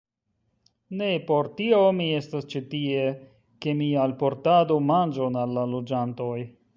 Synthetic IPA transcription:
ne̞po̞ɾtio̞mie̞stast͡ʃitie̞ | ke̞mialpo̞ɾtadomand͡ʒonalːalod͡ʒanto̞j

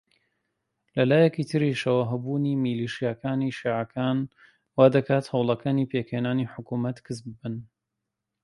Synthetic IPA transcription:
lɐlaːjɛkit̪ʰɨɾiʃɐwɐɦɐbuːnimiliʃijakaːniʃiːʕakʰaːn | waːd̪ɐkʰaːt̪hɐwlˠɐkʰaːniːpekheːnaːniħʊkumɐt̪kʰɨs̬bɨbɨn

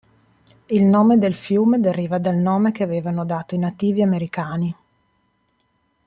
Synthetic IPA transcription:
ilnoːmed̪elfjuːmed̪eɾiːvad̪alnoːmekeaveːvanod̪aːt̪oinat̪ːiːviameɾikaːni

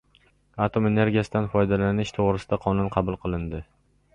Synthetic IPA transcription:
at̪ʰome̞ne̞ɾɡʲijasɪd̪anfɒjd̪alanɪʃt̪ʰoʁɾɪsɪd̪aqʰɒnʊnqʰɑbʊlˠqʰɨlˠɪnd̪ɪ

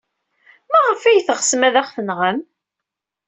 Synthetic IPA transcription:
mæʁəfæjθəʁsmæðæχθənʁəm

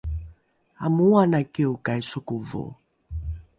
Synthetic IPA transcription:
amuwanakeukajsokuvo̰

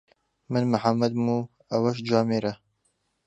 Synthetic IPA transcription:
mɨnmɨħamːɐd̪̚muː | ɐwɐʃ̬d͡ʒaːmeɾɐ

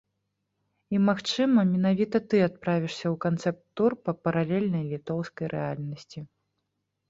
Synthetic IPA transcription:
imaxt͡ʂɨmɐmʲɛn̪avʲit̪ɐt̪ɨat̪̚pɾavʲiʂsʲɐwkant̪sɛp̚t̪ːurpɐpɐɾalʲɛlʲnɐjlʲit̪ɔwskɐjɾʔɛalʲnɐsʲt͡sʲi

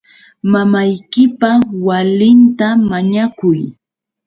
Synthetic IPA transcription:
mamajkɪpawalɪnt̪amaɲakʊj

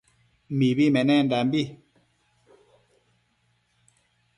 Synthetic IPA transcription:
mibimɛnɛndambi

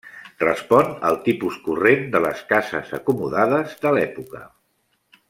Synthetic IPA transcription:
rəspɔnə̰lˠt̪ipuskurend̪ələskazə̰zə̰kumuðaðəzðəlɛpukə̰

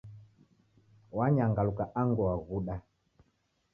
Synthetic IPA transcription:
waɲaŋɡalukaʔaŋɡɔwaɣuɗa

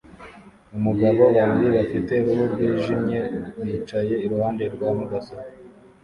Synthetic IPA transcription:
umuɡaβo̞waːmbiβafite̞ɾuɦuɾɡwiːʒimɲe̞wjiːt͡ʃaje̞iɾuhaːnde̞ɾɡwaːmuɡasa

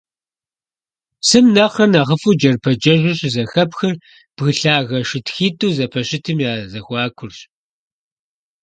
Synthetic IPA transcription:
sɨmnɐqɐnaːʁəfuːd͡ʒɐrpʰɐd͡ʒɐʒʷɪɕʼzɐxɐpxɐr | b̥ɣɨɬaːɣɐʃɪtxiːtʼuːzɐpʰɐɕɪtʰɨmjaːzɐxʷɑːkʷʰʊrɕ

